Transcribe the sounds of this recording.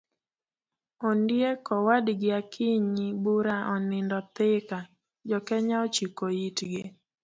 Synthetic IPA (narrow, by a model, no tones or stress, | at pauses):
ondjekɔwadɡɪakʰɪɲibuɾaʔɔnɪndɔt̪ɪka | d͡ʒɔkɛɲaot͡ʃikoitɡɪ